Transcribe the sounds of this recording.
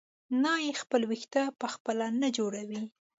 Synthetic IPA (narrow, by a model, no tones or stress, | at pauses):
nɑjexpəlwixt̪apəxpəlanad͡ʒoɽawi